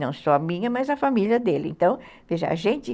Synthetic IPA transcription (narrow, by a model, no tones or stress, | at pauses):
nɐ̃w̃sɔɐmĩɲɐmɐzɐfamiliɐd̪elɪḛ̃nt̪ɐ̃w̃v̥eʒɐa̰ʒẽnt͡ʃɪ